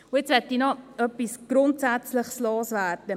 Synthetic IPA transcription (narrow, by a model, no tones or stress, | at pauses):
ʊjet͡sʋɛtinɔœpːisɡ̥ɾʊntsæt͡slɪχsloːsvæːɾd̥ə